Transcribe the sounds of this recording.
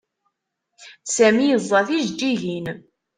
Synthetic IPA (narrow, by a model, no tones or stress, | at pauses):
sæmijəzˤːɑθiʒd͡ʒːiʝin